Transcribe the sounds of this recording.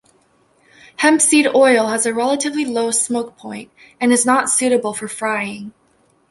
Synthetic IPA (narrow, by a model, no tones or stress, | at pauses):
hɛ̃mpsiɾɔɪlˠəzɨɹɛlˠəɾɨvliloʊsmoʊk̚pʰɔ̃ɪ̃nt̚ | ɨ̃nɨznətsʉɾɨbl̩ˠfə˞fɹaɪɪ̃ŋ